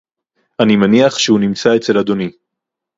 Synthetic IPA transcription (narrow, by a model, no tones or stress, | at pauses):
ʔanimaniaχʃeunimt͡saet͡se̞lad̪o̞ni